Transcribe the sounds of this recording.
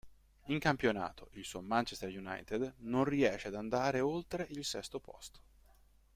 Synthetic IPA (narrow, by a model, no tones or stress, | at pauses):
iŋkampjona̰ːt̪ʰoʔilsuomant͡ʃest̪erjuna̰jt̪ed̪nonriɛːʃead̪and̪aːɾeolt̪ɾeʔilsɛst̪opɔ̰st̪o̥